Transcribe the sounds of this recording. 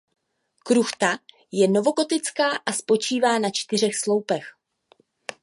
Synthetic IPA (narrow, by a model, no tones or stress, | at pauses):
kɾuxt̪a | jɛno̞vo̞ɡo̞t̪ɪt͡skaːʔaspo̞t͡ʃiːvaːnat͡ʃt̪ɪr̝ɛxslo̞wpɛx